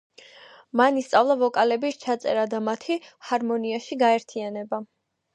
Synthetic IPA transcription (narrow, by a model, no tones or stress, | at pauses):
manist̪sʼavlˠavɔkʼalɛbit͡ʃʰat̪sʼɛ̰ɾad̪amat̪ʰihaɾmɔniaʃiɡaɛɾt̪ʰianɛba